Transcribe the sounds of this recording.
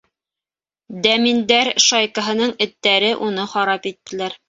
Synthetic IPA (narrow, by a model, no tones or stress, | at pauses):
d̪æmind̪æɾʃɑjkɤ̆ɦɤ̆nɤɴɘ̆t̪ːæɾɘʔunɤχɑɾɑpit̪ːɘ̆læɾ